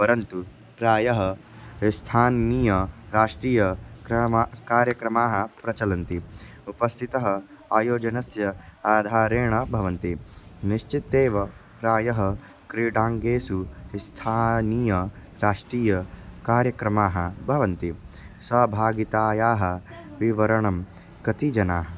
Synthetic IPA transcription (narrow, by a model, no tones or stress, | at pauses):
pɐɾɐnt̪u | pɾaːjɐɦɐ | st̪ʰaːnːiːjɐɾaːʂʈɾiːjɐkɾɐmakaːɾjɐkɾɐmaːɦɐpɾɐt͡ʃɐlɐnt̪i | upɐst̪ʰit̪ɐɦɐ | aːjoːd͡ʒɐnɐsjɐaːd̪ʱaːɾeːɳɐbʱɐʋɐnt̪iniʃt͡ʃit̪eːʋɐ | ɾaːjɐɦɐ | kɾiɖaːŋɡeːsust̪ʰaːniːjɐ | ɾaːʂʈɾiːjɐkaːɾjɐkɾɐmaːɦɐ̰bʱɐʋɐnt̪isɐbʱaːɡit̪aːjaːɦɐ̆ʋiʋɐɾɐɳɐm | kɐt̪id͡ʒɐnaːɦɐ